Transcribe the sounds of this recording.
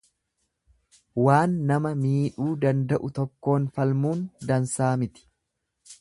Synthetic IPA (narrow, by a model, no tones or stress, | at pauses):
waːnːɐmɐmiːᶑuːd̪ɐnd̪ɐʔʊt̪ɔkːo̞ːnfɐlmuːnd̪ɐnsaːmɪt̪ɪ̥